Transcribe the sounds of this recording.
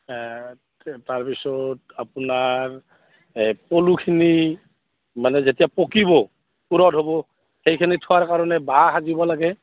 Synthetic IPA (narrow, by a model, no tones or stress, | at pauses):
taɹpisɔt | apʊnaɹ | polukʰini | manɛzetijapokibɔ | puɹɔdɦobɔ | xejkʰinitʰʊwaɹkaɹɔnɛbaaɦazibɔlaɡɛ